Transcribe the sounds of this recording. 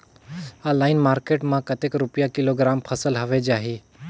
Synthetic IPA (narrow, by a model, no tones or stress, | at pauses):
alaːɪnmaːɾkeːʈmãkɐt̪eːkɾʊpjakɪloɡɾaːmpʰɐsəlɦɐʋed͡ʒaːɦiː